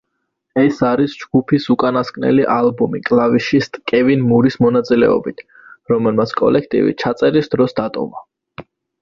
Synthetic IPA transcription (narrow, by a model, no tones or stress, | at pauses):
ɛsaɾisd͡ʒɡ̥upʰisukʼanaskʼnɛ̰liʔalbumikʼlˠaviʃist̪ʼkʼɛvinmuɾismɔnat̪sʼilɛɔ̰bit̪ʰ | ɾɔmɛlmat̪sʰkʼɔ̰lɛkʰt̪ʼḭvḭt͡ʃʰat̪sʼɛɾisd̪̥ɾɔsd̪at̪ʼɔ̰va